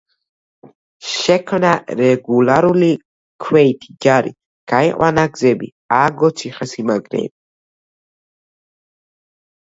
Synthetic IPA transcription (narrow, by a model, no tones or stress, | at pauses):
ʃɛkʰmnaɾɛɡulaɾuli | kʰwɛit̪ʰid͡ʒaɾḭ | ɡ̥aiqʼwanaɡzɛbḭ | aɡɔt͡ʃʰiχɛsimaɡɾɛ̰ːbi